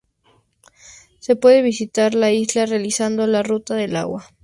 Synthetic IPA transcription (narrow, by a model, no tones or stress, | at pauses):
se̞pwe̞ðe̞βisit̪aɾlaizlarealisand̪o̞larut̪aðe̞la̰ɣwa